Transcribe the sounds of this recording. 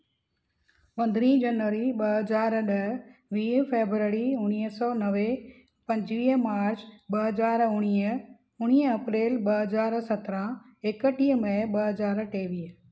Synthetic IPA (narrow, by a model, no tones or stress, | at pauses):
pɐ̃nd̪ʱɾĩːd͡ʑɐnʋəɾiɓɐɦɐzaːɾɗɐɦʋiːfeːbɾəɾiʊñiɦsɔːnɐʋe | pɐ̃ɲd͡ʑʋiːɦmaːɾt͡ɕɓɐɦəzaːɾʊɽ̃i | ʊɽ̃iːɐpɾeːlɓɐɦɐzaːɾsɐt̪ɾã | ekəʈiɦəmɐ̃ɓɐɦɐzaːɾʈʰeːʋiːɦ